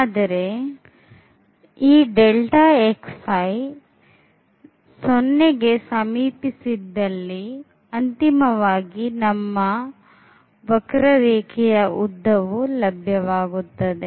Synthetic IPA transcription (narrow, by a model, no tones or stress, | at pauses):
aːd̪ɐɾe̞ | iːɖelʈaːeksɐj | sonːeɡe̞sɐmiːpisid̪ːɐlːi | ɐnt̪imɐʋaːɡinɐmːɐ | ʋɐkɾɐɾeːkʰɛjɐud̪ʱːɐʋulɐbʱjɐʋaːɡut̪ːɐd̪e